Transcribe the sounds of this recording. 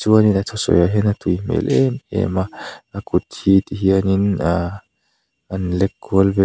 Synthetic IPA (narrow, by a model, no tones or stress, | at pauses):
t͡suəninat̪ʰɔsɔ̰jaɦinat̪ujmḛlʔemḛmaakut̪hit̪iɦiənina | anlekːuəlbe